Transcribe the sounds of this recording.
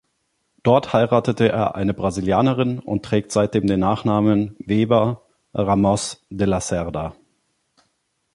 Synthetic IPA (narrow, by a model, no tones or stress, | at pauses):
d̥ɔɐthaɪʁaːtətəʔḛːɐʔa̰ɪnəbʁaziljaːnəʁɪnʊ̰ntʁ̥ɛːk̚tz̥aɪt̚d̥eːmdeːnːaːχnaːmənveːbɐ | ʁamɔsdelasɛʁda